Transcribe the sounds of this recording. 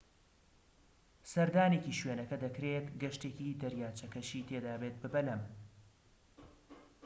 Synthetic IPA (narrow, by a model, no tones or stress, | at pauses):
sɐɾd̪aːne̞ːciːʃweːnɐkɐd̪ɐkɾet̪ɡɐʃt̪eːcid̪ɐɾjaːt͡ʃʰɐkɐʃiːt̪ʰeːd̪aːbeːt̪̚bɨbɐlɐm